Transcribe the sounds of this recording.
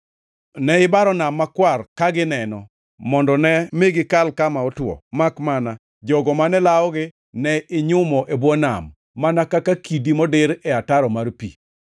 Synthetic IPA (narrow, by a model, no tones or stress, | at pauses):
nɛɪbaɾɔnamːakwarkaɡɪnɛnɔ̰ | mɔndɔnɛmɪɡɪkalkamaɔtwɔ̰makmana | d͡ʒɔɡɔmanɛlaɔɡɪ | nɛɪɲʊmɔʔebwɔna̰mː | anakakakidimɔdɪɾɛataɾɔmarpḭ